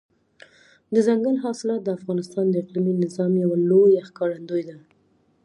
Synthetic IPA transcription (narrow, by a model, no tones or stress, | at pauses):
d̪əzaŋɡəlɦɑsɪlɑt̪̚d̪əafɣɑnɪst̪ɑnd̪əɪqliminɪzɑmjawalojaxkɑɽand̪ojd̪a